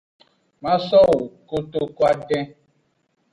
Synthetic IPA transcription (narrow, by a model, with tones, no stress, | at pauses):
ma˦sɔ˦wu˨ko˦to˦kwa˦dɛ˦